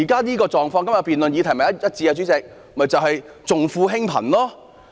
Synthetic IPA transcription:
iː˨˩kaː˥niː˥kɔː˧t͡sɔː˨˩ŋfɔː˧ŋkɐ˥mjɐ˨˩piː˨nlɵ˨njiː˨˧t̪ʰjmɐ˨jɐ˥jɐ˥t̚t͡siː˧aː˧t͡ʃyː˨˥t͡sɪ˨k̚mɐ˨˩t͡sɐ˨wɦɐ˨jt͡sʊ˨ŋfuː˧ɦɪ˥ŋpʰɐ̰˨˩nlɔː˥

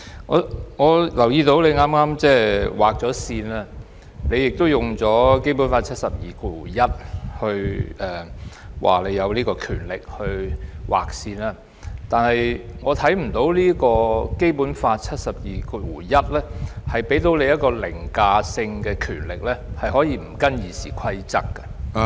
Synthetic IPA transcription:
ŋɔ̰ː˨˧ŋɔː˨˧lɐ˨˩wjiː˧t̪o˨˥wle˨˧jŋaː˥mŋaː˥mt͡sɛː˥waː˨k̚t͡sɔː˨˥siː˧naː˧˥ | ne˨˧jɪ˨k̚t̪o˥wjʊ˨˩ŋt͡sɔː˨˥ke˥jpu˨˥nfaː˧t̚t͡sʰɐ˥t̚sɐ˨p̚jiː˨kʰu˧wuː˨˩jɐ˥t̚hɵ˧ɥʔɛː˨wʔa̰ː˨le˨˧jɐ˨˧wliː˥kɔː˧kʰyː˨˩nlɪ˨k̚hɵ˧ɥwaː˨˩k̚siː˧naː˧ | t̪aː˨nhɐ˨jŋɔː˨˧t̪ʰɐ˨˥jm̩˨˩t̪o˨˥wliː˥kɔː˧ke˥jpuː˨˥nfaː˧t̚t͡sʰɐ˥t̚sɐ˨p̚jiː˨˩kʰu˧wuː˨˩jɐ˥t̚lɛː˥hɐ˨jpe˨˥jt̪o˨˥wle˨˧jɐ˥t̚kɔː˧lɪ̰˨˩ŋkaː˧sɪ˧ŋkɛː˧kʰyː˨˩nlɪ˨k̚lɛː˥hɐ˨jɦɔː˨˥jiː˧m̩˨˩kɐ˥njiː˨˧siː˨˩kʰɐ˥jt͡sɐ˥kːɐ̥˧

